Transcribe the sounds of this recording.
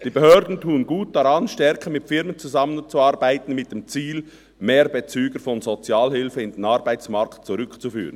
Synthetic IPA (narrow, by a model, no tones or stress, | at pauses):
d̥iːbehœːɾdn̩tʰuːənɡuːt̚d̥aɾɑnʃtɛɾkʰəmɪtfɪɾmənt͡suzɑmənt͡suɑɾbaɪtn̩mɪt̚d̥emt͡siːl | meːɾbet͡syːɡ̥əɾfɔnzot͡sjɑːlhɪlfəɪnd̥enɑɾbaɪt͡smɑɾktt͡suɾʏkt͡sufy̰ːʁən